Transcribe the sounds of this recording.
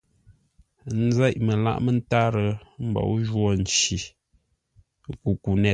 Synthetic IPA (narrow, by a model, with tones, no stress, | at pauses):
n̩˦za˦ʔmə˨la̰˦ʔmə˦n̩˦ta˦ɾə˨m̩˦bɔ̰˨ʔʒwɔ˦˨n̩˨t͡ʃi˨ | ku˨ku˨nɛ˦˨